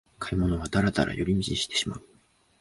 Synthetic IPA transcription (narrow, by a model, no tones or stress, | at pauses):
kʰaimo̞no̞βad̪aɾat̪a̰ɾʔa̰joɾʲimʲit͡ɕiɕi̥t̪e̞̥ɕima̰ɯ